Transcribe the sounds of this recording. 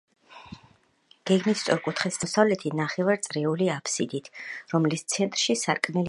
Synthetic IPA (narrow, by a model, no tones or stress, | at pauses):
ɡ̥ɛɡmist̪sʼɔɾkʼut̪ʰχɛssavlɛt̪ʰinaχɛvaɾt̪sʼɾɛuliapʰsid̪it̪ʰɾɔmlist̪sʰɛnt̪ʼɾʃisaɾkʼmɛl